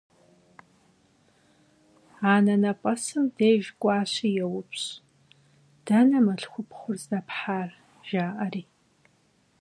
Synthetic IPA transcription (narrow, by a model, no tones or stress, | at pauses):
aːnɐnɐpʼɐsɨmdeːʒɡʷʼɑːɕijɛwʊpʰɕ | d̥ɐnɐmɐɬxʷʊpχʷʊrzdɐpħaːr | ʒ̥aːʔɐriː